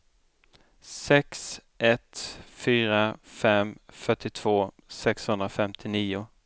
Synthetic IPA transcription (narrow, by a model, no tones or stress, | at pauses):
sɛksʔɛt̪fyːɾafɛmfœʈːɪt̪ʰv̥oː | sɛkshɵnd̪ɾafɛmt̪ʰɪniːʊ